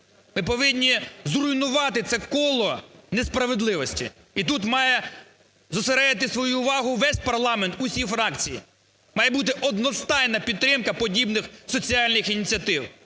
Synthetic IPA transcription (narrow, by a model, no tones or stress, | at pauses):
mɪpɔʋɪnʲːizɾʊinʊʋɑt̪ɪt̪sɛkɔlˠɔnespɾɐʋed̪lˠɪʋɔsʲtʲḭ | it̪ut̪mɑjɛ | zɔseɾɛd̪ɪt̪ɪsʋɔjuːʋɑɦʊʋɛsʲpɐrlˠɑment̪ʊsʲifɾɑkt͡sʲijḭ | mɑjɛbut̪ɪʔɔd̪nɔst̪ɑjnɐpʲid̪̚t̪ːɾɪmkɐpɔdʲibnɪxsɔt͡sʲiɑlʲnɪxinʲit͡sʲiɐt̪ɪw